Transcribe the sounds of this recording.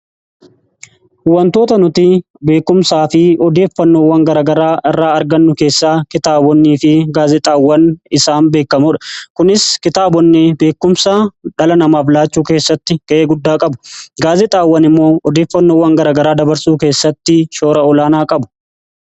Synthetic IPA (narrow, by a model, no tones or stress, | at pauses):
hʊwɐnt̪o̞ːt̪ɐnʊt̪i | be̞ːkːʊmsaːfɪɔd̪e̞ːfːɐnːoːwɐŋɡɐɾɐɡɐɾaːʔɪrːaːɐɾɡɐnːʊke̞ːsːaːkɪt̪aːbɔnːiːfɪɡaːzɪt̪ʼaːwːɐnɪsaːnbe̞ːkːɐmʊᶑɐ̥kʊnɪskɪt̪aːbɔnːɛbe̞ːkːʊmsaːᶑɐlɐnɐmaːflaːt͡ʃːuːke̞ːsːɐt̪ːɪɡ̥ɐʔeːɡʊd̪ːaːkʼɐbʊ̥ɡaːzɪt̪ʼaːwːɐnɪmːo̞ːɔd̪e̞ːfːɐnːoːwɐŋɡɐɾɐːɡɐɾaːd̪ɐbɐɾsuːke̞ːsːɐt̪ːɪʃo̞ːɾɐɔlaːnaːkʼɐbʊ̥